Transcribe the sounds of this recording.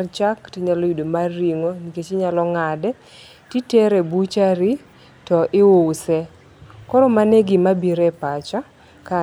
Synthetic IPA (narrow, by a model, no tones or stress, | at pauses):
rt͡ʃaktiɲalojidomarːiŋoniket͡ʃɪɲalɔŋadɛ | titeɾɛbut͡ʃaɾi | tɔʔɪwosɛ | kɔɾɔmanɛɡɪmabiɾɛpat͡ʃa | ka